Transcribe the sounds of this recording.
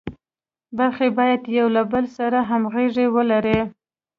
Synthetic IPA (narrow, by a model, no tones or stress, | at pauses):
baɾxebɑjad̪jawlabəlsaɾaɦamɣeʐewəlaɾe